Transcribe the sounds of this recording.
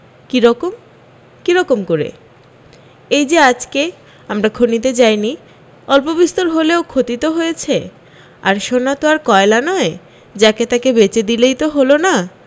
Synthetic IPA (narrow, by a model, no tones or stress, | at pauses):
kiɾɔkom | kiɾɔkomkoɾḛ | ejd͡ʑead͡ʑke | amɾakʰonit̪̬ed͡ʑajni | ɔlpobist̪oɾɦoleokʰot̪it̪oɦojet͡ɕʰe | a̰ɾʃonat̪oaɾkɔelanɔe | d͡ʑaket̪akebet͡ɕed̪ilejt̪oɦolona